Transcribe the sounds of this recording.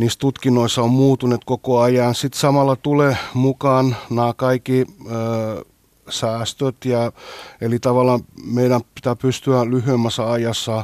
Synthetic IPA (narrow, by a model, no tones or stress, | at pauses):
niːst̪ut̪kinːoisːɑommuːt̪unet̪kokoɑjɑnsit̪sɑmɑlːˑɑt̪ulemukɑːnnæːkɑikːiː | sæːst̪øt̪jɑelit̪ɑʋɑlːˑɑːmeiɾæmpit̪æpyst̪yælyhyemːæsːɑɑjɑsːɑ